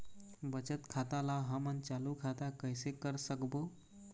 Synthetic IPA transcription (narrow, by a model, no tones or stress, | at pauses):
bət͡ʃət̪kʰat̪alaɦəmənt͡ʃalukʰat̪akəjsekəɾsəkbo